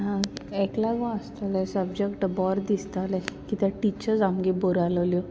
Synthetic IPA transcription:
ɦãɛklaɡɔ̃əst̪alɛ̃səbd͡ʑekʈbɔɾd̪ist̪alɛ̃kit̪əʈit͡ɕəɾd͡zamɡiboɾaləljɔ

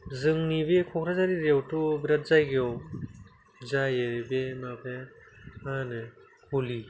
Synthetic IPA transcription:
zɯŋnibekʰɔkʰɾazaɾiɾewtɔbiɾat̚zajɡeɔw | zajebemabe | manɯ | kʰuli

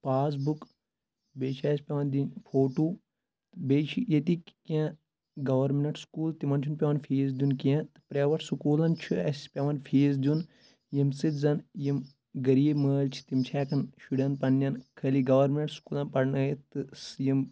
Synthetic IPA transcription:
paːs̬buk | beːt͡ʃʰiɐːsʲpʲɐʋɐnd̪ʲinfʰoːʈuː | t̪ɨbeːt͡ʃʰijɐt̪ikʲã | ɡɐʋɐɾmenʈskuːlt̪imɐnt͡ʃʰunpʲɐʋɐnfʰiːzd̪junkiãt̪ɨ̥pɾeːʋɐʈsukuːlɐnt͡ʃʰuɐsʲispʲɐʋɐnfʰiːzd̪ʲjun | jimsɨt̪zɐnjim | ɡɐɾiːbməːlt͡ʃʰi̥t̪imt͡ʃʰaːkɐnʃuɽʲɐnpɐnːʲɐnkʰɐːliɡɐʋɐɾmʲnʈsu̥kuːlɐnpɐɽnɨjit̪ɨsjim

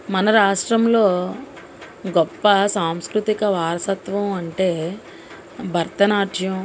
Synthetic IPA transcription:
mɐnɐɾaːʂʈɾɐmlo̞ː | ɡɔpːɐsaːmskɾut̪ikɐʋaːɾɐsɐt̪ʋɐmɐɳʈeː | bʱɐɾt̪ɐnaːʈʰjɐm

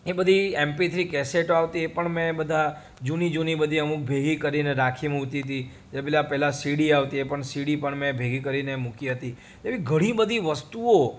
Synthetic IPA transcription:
ebəd̪ʱiɛmpit̪ʰɾikɛseʈoaʋt̪iepəɳmẽbəd̪ʱa | d͡ʒunid͡ʒunibəd̪ʱiəmuk̚bʱeɡikəɾineɾakʰimut̪it̪i | d͡ʒebelapɛɦlasiɽiaʋt̪iepəɳsiɽipəɳmẽbʱeɡikəɾinemukiɦət̪i | d͡ʒebĩɡʱəɽ̃ĩbəd̪ʱiʋəst̪uo

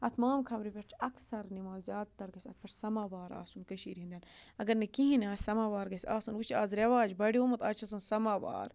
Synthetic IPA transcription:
ɐt̪ʰmaːmkʰɐmɾipʲeʈʰɐksɐɾnimaːzzjaːd̪̚t̪ːɐɾɡɐsʲɐ̰t̪̚pʲeʈʰsɐmaːbaːɾa̰ːsunkɐʃiːɾiɦind̪ʲaːnɐɡɐɾnɐkiɦĩnaːsʲsɐmaːʋaːɾɡɐsʲaːsɐnut͡ʃʰaːzɾeʋaːd͡ʒbɐɽiomɐt̪aːt͡ʃʰɐs̬ɐnsɐmaːba̰ːɾ

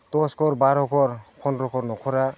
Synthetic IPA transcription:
t̪ɔskɔɾbaɾɔkɔɾpʰɔnɾɔkɔɾnɔkʰɔɾa

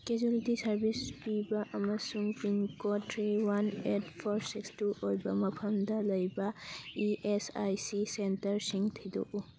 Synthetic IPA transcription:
ked͡ʒulitisɐɾbispibɐʔɐmɐsuŋpinkotʰɾiwanetpʰɔɾsikstuojbɐmɐpʰɐmdɐlɐjbɐiʔesajsisentɐɾsiŋtʰido̰ʔu

